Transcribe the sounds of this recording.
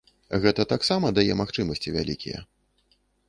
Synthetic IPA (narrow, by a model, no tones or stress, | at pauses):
ɣɛt̪ɐt̪aksamɐd̪ajɛmaxt͡ʂɨmɐsʲt͡sʲivʲa̰lʲḭkʲijɛ̰